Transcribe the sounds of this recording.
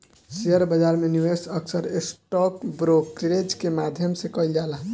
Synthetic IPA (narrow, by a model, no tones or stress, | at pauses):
siəɾbəd͡ʒaɾmeniwesəksəɾesʈɔkbɾokɾɾed͡ʒkemad̪ʱjəmsẽkəild͡ʒalɦ